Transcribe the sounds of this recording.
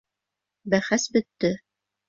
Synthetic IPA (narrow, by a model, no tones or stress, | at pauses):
bæχæsbɵ̆t̪ːɘ